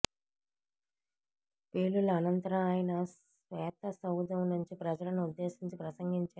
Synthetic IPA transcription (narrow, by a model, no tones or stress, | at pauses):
pe̞ːlulɐɐnɐnt̪ɐɾɐmaːjɐnɐ | ʋɛːt̪ɐsɐwd̪ɐmnuɲt͡ʃipɾɐd͡ʒɐlɐnuud̪ːe̞ːʃiɲt͡ʃipɾɐsɐŋɡiɲt͡ʃaː